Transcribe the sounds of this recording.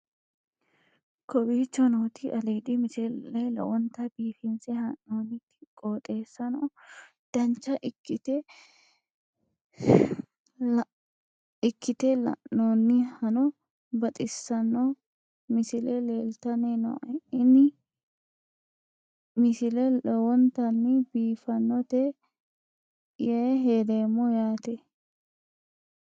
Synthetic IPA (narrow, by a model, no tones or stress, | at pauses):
kɔbiːt͡ʃːɔnoːt̪ʰɪʔɐleːd̪ɪmɪsɛlɐjlɐ̰wɔnt̪ɐbiːfɪnsɛhɐnːoːnɪ̥ | kʼoːt̪ʼe̞ːsːɐnɔ | d̪̥ɐnt͡ʃːɐʔɪkːɪt̪ɛ | ɪkʰːɪt̪ɛlɐ̰ʔoːnːɪhɐnɔ | bɐt̪ʼɪsːɐnːɔ | mɪsɪlɛleːlt̪ɐnenɔ̰ʔɪnːɪ | mɪsɪlɛɛwɔnt̪ɐnːɪbiːfɐnːɔt̪ɛ | jɐɦeːd̪eːmːɔjaːt̪ɛ